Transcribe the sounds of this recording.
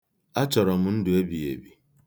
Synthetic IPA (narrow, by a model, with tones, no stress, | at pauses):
a˦t͡ʃɔ˨ɾɔ˨m̩˦n̩˦dʊ˨e˦bi˨ḛ˨bi˨